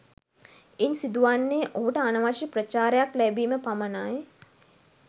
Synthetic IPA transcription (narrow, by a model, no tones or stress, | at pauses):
iɲsid̪uʋanːeːʔoɦuʈəanɐʋaʃiprət͡ʃaːɾejaklæbiːməpamanaj